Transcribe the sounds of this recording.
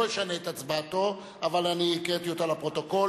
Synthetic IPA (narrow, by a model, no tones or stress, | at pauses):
jeʃane̞ːt̪at͡sbato̞ | avalaniːkʁet̪ijot̪alapʁo̞t̪o̞ko̞